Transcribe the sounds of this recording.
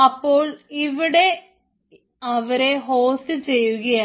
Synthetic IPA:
ɐpːo̞ːɭiʋiɽe̞ | ɐʋɐɾe̞ɦoːsɨt͡ɕe̞jːuɣɐjaː

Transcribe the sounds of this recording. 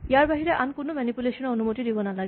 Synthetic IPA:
ijaɹbaɦiɹɛʔankʊnʊmɛnipulesɔnɔonumotidibɔnalaɡɛ

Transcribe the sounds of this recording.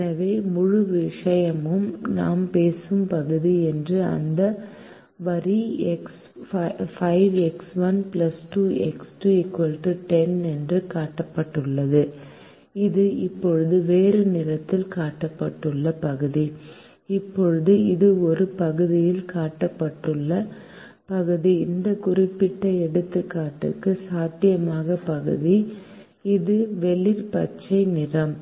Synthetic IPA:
ɛɐʋeːmʊɻʊʋɪʂɐjɐmɯmna̰ːmpeːsɯmpɐɣɯðiɛndrɯɐ̰nd̪ɐ | ʋɐɾiɛks | fɐɪʋɛksʋɐnplɐsʈuːɛksʈuɛkʋɐlʈːɯʈɛnɛndrɯkaːʈːɐpːɐʈːɯɭːɐðɯ | ɪðɯɪpːɔɻɯðɯʋeːɾɯnɪrɐt̪ːɪlkaːʈːɐpːɐʈːɯɭːɐpɐɣɯði | ɪpːɔɻɯðɯɪðɯɔɾɯpɐɣɯðɪjɪlkaːʈːɐpːɐʈːɯɭːɐ | pɐɣɯðiɪnd̪ɐkʊrɪpːɪʈːɐɛɽɯt̪ːɯkːaːʈːɯ̰kːɯsaːt̪ːɪjɐmaːɣɐpɐɣɯ̰ði | ɪðɯʋɛlɪɾpɐt͡ʃːɐɪnɪrɐm

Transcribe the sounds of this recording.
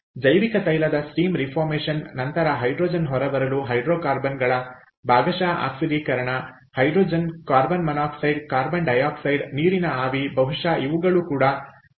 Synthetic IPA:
d͡ʒɐjʋikɐt̪ɐjlɐd̪ɐsʈiːmɾipʰaːɾmeːʃɐnːɐnt̪ɐɾɐɦɐjɖɾoːd͡ʒɐnɦɔɾɐʋɐɾɐluɦɐjɖɾoːkaːɾbɐnɡɐɭɐ | baːɡɐʃaːʔa̰ːksiɖikɐɾɐɳɐ | hɐjɖɾoːd͡ʒɐnkaːɾbɐnmɐnaːksɐjɖkaːɾbɐnɖɐjaːksɐjɖniːɾinɐaːʋibɐɦuʂaːʔiʋuɡɐɭukuːɽɐ

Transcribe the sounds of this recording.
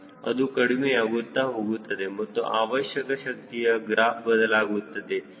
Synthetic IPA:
ɐ̰d̪ukɐɽimejaːɡut̪ːaːɦoːɡut̪ːɐd̪emɐt̪ːṵʔaːʋɐʃjɐkɐʃɐk̚t̪ijɐɡɾaːɦbɐd̪ɐlaːɡut̪ːɐd̪e̞

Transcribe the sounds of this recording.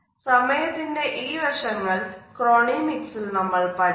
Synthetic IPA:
sɐmɐjɐt̪ːinde̞ʔiːʋɐʂɐŋːɐɭkɾoːɳimiksilnɐmːɐɭpɐ

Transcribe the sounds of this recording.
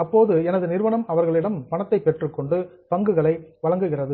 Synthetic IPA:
ɐpːoːðɯɛnɐðɯnɪɾʋɐɳɐmɐʋɐɾɣɐɭɪɽɐmpɐɳɐt̪ːɐɪpːɛʈrɯkːɔɳɖɯ | pɐŋɡɯɣɐɭɐɪʋɐɭɐŋɡɯɣɪrɐðɯ

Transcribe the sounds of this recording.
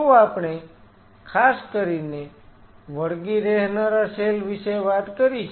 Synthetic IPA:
ũapɳ̃e | kʰaskəɾine | ʋəɽɡiɾeɦnəɾəselʋisejʋat̪kəɾi

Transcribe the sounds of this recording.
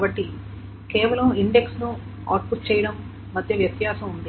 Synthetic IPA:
kaːbɐʈːi | keɛːʋɐlɐmiɳɖeksnu | a̰ːʈ̚pust͡ʃɛːjɐɽɐmː | ɐd̪ʱjɐʋjɐt̪jaːsɐmund̪i

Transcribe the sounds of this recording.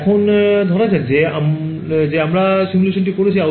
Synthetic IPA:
kʰɔnd̪ʱɔɾasatzeam | zeamɹasimulesʰɔnʈikoɾisʰia

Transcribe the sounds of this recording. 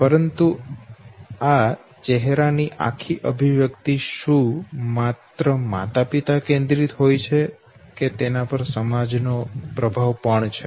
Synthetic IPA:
pəɾənt̪u | a | t͡ʃɛɦɾaniʔa̰kʰiʔəbʱiʋjəkt̪iʃũmat̪ɾəma̰t̪apit̪akẽnd̪ɾit̪ɦojt͡ʃʰe | ket̪enapəɾsəmad͡ʒnopɾəbʱaʋpəɳt͡ʃʰe

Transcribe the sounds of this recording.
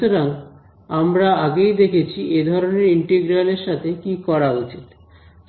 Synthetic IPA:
oɾaŋ | amɾaaɡejd̪ekʰet͡ɕʰied̪ʱɔɾoneɾiɳʈeɡɾaleɾʃat̪ʰekikɔɾaut͡ɕit̪

